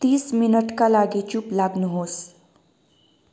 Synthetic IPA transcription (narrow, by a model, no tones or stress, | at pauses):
t̪iːsminəʈkalaɡit͡ʃuplaɡnuɦoːs